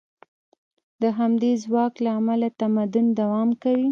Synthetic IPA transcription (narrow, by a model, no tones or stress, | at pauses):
d̪əɦamd̪ezwɑklaːmalat̪amad̪ʊnd̪awɑmkawi